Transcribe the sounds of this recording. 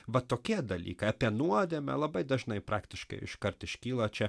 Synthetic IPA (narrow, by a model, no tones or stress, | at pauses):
ʋɐt̪oːkʲiɛd̪ɐlʲḭːkɐɪɐpʲiɛnuɔd̪ʲeːmʲɛ̰lˠɐbɐɪd̪ɐʒnɐɪpɾʔɑːkt̪ʲɪʃkɐ̰ɪɪ̰ʃkɐɾt̪ɪʃʲkʲiːlˠɐt͡ʃʲɛ